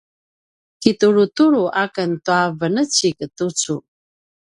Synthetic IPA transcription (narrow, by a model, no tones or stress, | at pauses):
kituɾutuɾuʔakəntuavənət͡ɕikətut͡su